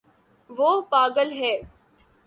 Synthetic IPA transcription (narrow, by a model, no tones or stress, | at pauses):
ʋoːpaːɡəlɦɛː